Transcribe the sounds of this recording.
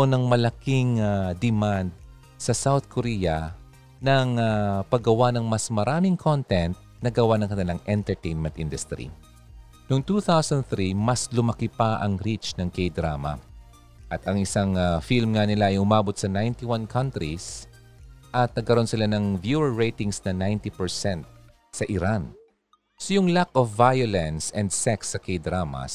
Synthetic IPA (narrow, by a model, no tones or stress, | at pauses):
onɐŋmɐlɐkiŋad̪ɛmand̪̚ | sɐsawθkʰoɾijɐ | nɐŋapɐɡɐwanɐŋmɐsmɐɾaːmɪŋkʰont̪ɛnt̪̚nɐɡɐwanɐŋkɐnɪlaŋʔɛnt̪ɛɹt̪ejnmɛnt̪ʔind̪ʊst̪ɾḭ | noŋt̪uːθawsɐ̃nd̪̚θɾimɐslʊmɐkɪpaʔɐŋɾit͡ʃnɐŋkejd̪ɾaːmɐ̰ | ʔɐt̪ɐŋʔɪsaŋfilmŋɐnɪlaʔɐjʔʊmaːbot̪̚sɐnajnt̪iwankʰɐnt̪ɾis | ʔɐt̪̚nɐɡ̚kɐɾo̞nsɪlanɐŋvjuɛɹːejt̪ɪŋsnɐnajnt̪ipɛɹsɛnt̪̚ | sɐʔɪɾan | sojʊŋlakofːajolɛnsɛ̃nd̪sɛksːɐkejd̪ɾamɐ̰